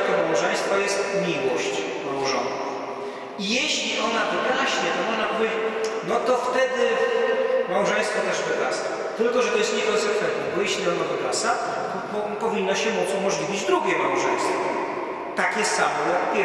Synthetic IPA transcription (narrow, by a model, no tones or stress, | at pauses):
t̪ɔmawʐɛ̃j̃st̪fɔjɛst̪mʲiwɔɕt͡ɕ | ɾuʐɔ̰̃w | ijeɕlʲiʔɔnavɨɡ̪aɕɲɛt̪ɔmɔʐnapɔvʲjenɔt̪ɔft̪ɛd̪ɪ | mawʐɛ̃j̃st̪fɔt̪ɛʐvɨd̪asa | t̪ɘlkɔʐɛt̪ɔjɛst̪ɲɛɡɔsɛkfɛnnɛɡɔjeɕlʲiɔnavɨd̪asa | t̪ɔ | pɔvʲinːɔɕɛmut̪sumɔʐlʲivʲid͡ʑd̪ɾuɡʲɛmawʐɛj̃st̪fɔ | t̪akʲɛst̪samɔjɔkpʲj